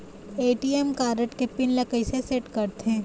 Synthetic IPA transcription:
eːʈiːemkaːɾəʈkepɪnlɐkəiseseʈkɐɾt̪ɦɛ̃ː

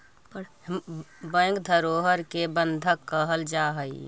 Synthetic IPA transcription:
bə̃ŋkd̪ʱəɾoɦəɾkebənd̪ʱəkːəɦəld͡ʒaɦəi

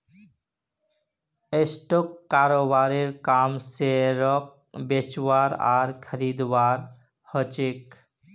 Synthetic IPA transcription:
esʈokːaɾobaɾeɾkamseɾɔk̚ | bet͡ʃwaɾa̰ɾkʰəɾid̪waɾ | hət͡ʃek

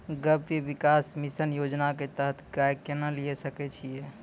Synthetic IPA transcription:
ɡəbebikasmisənjod͡ʒnaket̪əɦt̪ʰɡajkenəlijesəkɛt͡ʃʰije

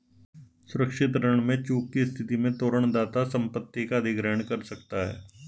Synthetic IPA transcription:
sʊɾəkʃɪt̪ɾəɳ̃mẽt͡ʃuːkkist̪ʰɪt̪imẽt̪oːɾəɳ̃d̪aːt̪asɐ̃mpət̪ːikaːd̪ʱɪɡɾɛːɳ̃kɐɾsɐk̚t̪aɦɛ̰ː

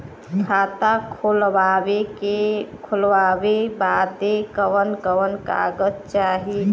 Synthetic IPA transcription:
kkʰat̪akʰolaekekʰulʋabebad̪ekəʋənkəʋənka̰ɡəd͡ʒt͡ʃaɦi

